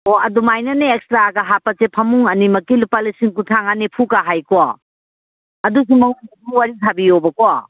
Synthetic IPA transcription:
oɐdumajnɐneːk̚stɾaɡaɦapɐsepʰɐmuŋɐnimɐkilupalisiŋkutʰaŋanepʰukaɦajkɔ | ɐdus̬umɐŋuŋdɐsuwaɾitʰabijobɐkɔ

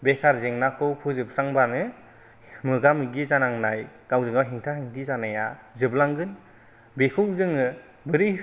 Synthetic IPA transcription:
bekʰaɾzeŋnakʰɯwpʰuzɯp̚saŋbanɯ | mɯɡamɯɡizanaŋnaj | ɡ̥awzɯŋawɦiŋtʰahiŋtʰizanajazɯblaŋɡɯn | bekʰɯwzɯŋɯ | bɯɾi

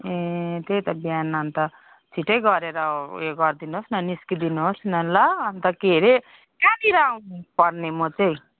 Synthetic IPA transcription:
et̪ejt̪ʌbjanːaːnt̪ʌ | t͡sʰiʈʌjɡʌɾeɾʌeɡʌrd̪inuɦosnʌniskid̪inuɦosnʌnlʌːnt̪ʌkeɾe | kat̪iɾaũpʌrnemʌt͡sʌj̃

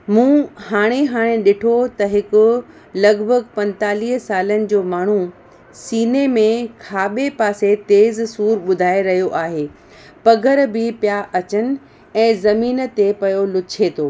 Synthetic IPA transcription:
mũːhaːɽ̃eɦaːɽ̃ẽɗɪʈʰot̪ɐɦɪkʊ̆ | lɐɡbʱəɡpɐ̃nt̪aːliːɦsaːlənɪ̆d͡ʑoːmaːɳ̤u | siːnemẽkʰaːɓepaːset̪eːzsuːɾɓʊd̪ʱaːeɾɐɦijoʔaːɦeː | pɐɡʱəɾbʱɪpjaːʔɐt͡ɕənɪ̆ | ɛ̃ːzɐmiːn̆t̪epɐjolʊt͡ɕʰet̪ʰoː

